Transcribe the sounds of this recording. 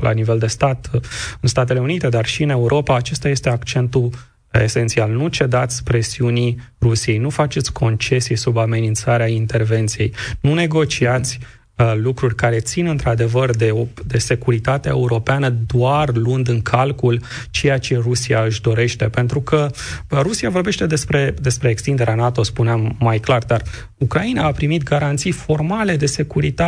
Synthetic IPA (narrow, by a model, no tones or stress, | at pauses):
lʔa̰nive̞ld̪e̞st̪at̪ɨnst̪at̪̬e̞le̞unit̪e̞d̪arʃiɨne̞uɾʔo̞paːt͡ʃe̞st̪aje̞st̪eakt͡ʃe̞nt̪u | e̞̰se̞nt̪sialnut͡ʃe̞d̪at̪sʲpɾe̞siuni | rusije̞jnufat͡ʃe̞t̪sʲkʰo̞nt͡ʃe̞siesubame̞nint̪saɾeaint̪e̞rve̞nt̪sije̞jnune̞ɡo̞t͡ʃiat̪sʲ | lukɾurʲkaɾe̞t̪sinɨnt̪ɾad̪e̞vərd̪eod̪e̞se̞kuɾit̪at̪eaeuɾo̞peanəd̪oarlund̪ɨŋkʰalkult͡ʃe̞jat͡ʃe̞rusiaɨʃd̪o̞ɾe̞ʃt̪e̞pe̞nt̪ɾukəɾusiavo̞rbe̞ʃt̪e̞d̪e̞spɾe̞d̪e̞spɾe̞ːkst̪ind̪e̞ɾeanat̪o̞spuneamːajklard̪ar | ukɾainaːpɾimit̪ɡaɾant̪sijfo̞rmale̞d̪e̞se̞kuɾit̪a